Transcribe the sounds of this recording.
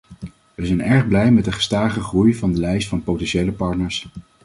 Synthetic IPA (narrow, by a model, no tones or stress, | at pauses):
ʋəzɛjnɛɹχblɛjmɛtdəχə̥staːχəχrujvɑndəlɛjstfɑnpowtɛnʃejləpɑɹtnəɹs